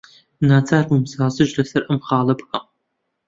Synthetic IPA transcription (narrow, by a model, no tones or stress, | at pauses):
naːt͡sʰaːrwumsaːzɨʒrɐsɐɾʔɐmχɑːlɐbxʼɐ